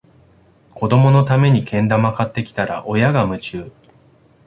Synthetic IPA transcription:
ko̞d̪o̞mo̞no̞t̪ame̞ɲ̟ikẽ̞nd̪amakat̪ːe̞kʲi̥t̪aɾa̰ʔo̞jaɡamɯ̟t͡ɕɨː

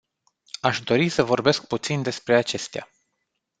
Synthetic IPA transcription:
aʃd̪o̞ɾisəvo̞rbe̞sk̚put̪sind̪e̞spɾe̞at͡ʃe̞st̪ea̰

